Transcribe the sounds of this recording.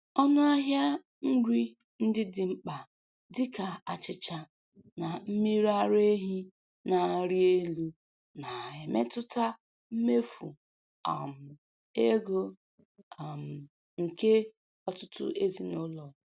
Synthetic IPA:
ɔ˦nʊ˦a˦ɦja˦ | ŋ̩˦ɡʷi˦ | n̩˦dɪ˦dɪ˨ŋ͡m̩˦k͡pa˨ | dɪ˦ka˨a˨t͡ʃɪ˨t͡ʃa˨ | na˨m̩˦mi˦ɾa˦ɾe˦ɦi˦ | na˨ɾi˦e˦lu˦ | na˨e˨me˦tʊ˦ta˦ | m̩˦me˦fṵ˨ | a̰˨m̩˨ | e˦ɡo˦ | a˨m̩˨ | ŋ̩˨ke˦ | ɔ˦tʊ˦tʊ̰˦ʔe˦zi˦no˦lɔ˨

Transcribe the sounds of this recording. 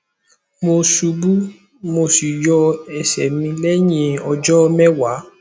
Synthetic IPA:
mo˧su˨˧bu˦ | mo˧si˨jɔ˧ɛ˨sɛ̰˨mĩ˧lɛ˦j̃ĩ˧ɔ˧d͡ʒɔ˦mɛ˦wa˨˦

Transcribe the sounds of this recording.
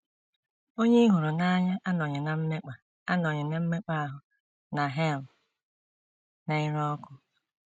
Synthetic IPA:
o˦ɲe˦i˦ɦʊ˨ɾʊ˨na˦ɲa˦ʔa˦nɔ˨ɲe˨na˨m̩˦me˦k͡pa˨ | a˦nɔ˨ɲe˨na˨m̩˦me˦k͡pa˦a˦ɦʊ˨ | na˨ɦe˦˨l̩˨ | na˨ɪ˦ɾɔ˦kʷʊ˦

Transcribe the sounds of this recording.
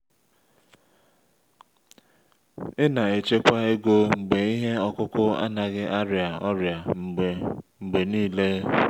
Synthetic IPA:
ɪ˦na˨e˨t͡ʃe˦kʷa˦e˦ɡo˦ŋ͡m̩˨ɡ͡be˨i˦ɦe˦ɔ˦kʊ˦kʊ˦a̰˦na˨ɣɪ˦ʔa˦ɾja˨ɔ˦ɾja˨ | ŋ͡m̩˨ɡ͡be˨niː˦le˦

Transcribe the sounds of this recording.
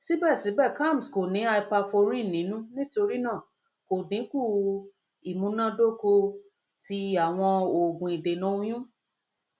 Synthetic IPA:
si˦bɛ˦˨si˨˦bɛ˦˨ka˦˨m̩˨sko˨nĩ˨˦a˧i˧pa˧fo˧ɾ̃ĩ˦˨nĩ˨˦nũ˦nĩ˦to˧ɾi˦nãː˦˨ | ko˨dĩ˨˦ku˦˨ | i˨mũ˨˦nã˦do˦ko˧ | ti˧a˨w̃ɔ̃˧o˨ɡũ˨i˨de˨nũ˨˦j̃ũ˦

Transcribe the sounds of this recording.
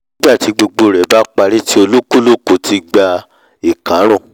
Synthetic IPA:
ĩ˦ɡ͡ba˦˨ti˨˧˦ɡ͡bo˧ɡ͡bo˧˨ɾɛ˨˦ba˨˦k͡pa˧ɾi˦ti˦o˧lo˦ku˦lo˦˨ko˧˨ti˧ɡ͡ba˧ | i˨kã˨˦ɾ̃ɔ̃˦˨

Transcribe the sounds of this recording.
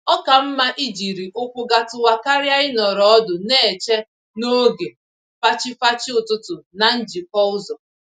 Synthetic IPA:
ɔ˦ka˨m̩˦ma˦ʔi˦d͡ʒi˨ɾi˨ʔʊ˦kʷʊ˦ɡa˨tʊ˨wa˨ka˦ɾja˦ɪ˦nɔ˨ɾɔ˦ɔ˦dʊ˨ne˦˨e˨t͡ʃe˦ | no˦ɡe˨ | fa˦t͡ʃɪ˦fa˦t͡ʃɪ˦ʊ˨tʊ˦tʊ˨na˨n̩˦d͡ʒi˨kɔ˦ʊ˦zɔ˨

